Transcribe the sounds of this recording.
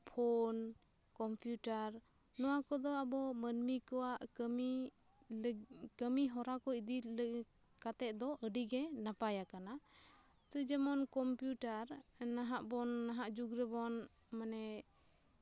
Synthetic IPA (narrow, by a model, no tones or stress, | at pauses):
pʰɔn | kɔmpjuʈaɾ | nɔwakɔd̪ɔabɔmənmikɔwaʔkəmi | lkəmiɦɔɾakɔid̪il | kat̪ɛʔ̪̚ˀd̪ɔʔəɖiɡɛnapajakana | t̪ɔd͡ʒɛmɔnkɔmpjuʈaɾnaɦaʔbɔnːaɦaʔd͡ʒuɡɾɛbɔnmanɛ